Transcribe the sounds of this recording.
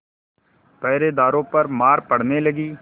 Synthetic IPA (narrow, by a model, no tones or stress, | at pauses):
pɛːɾeːd̪aːɾõːpəɾmaːɾpəɽneːləɡiː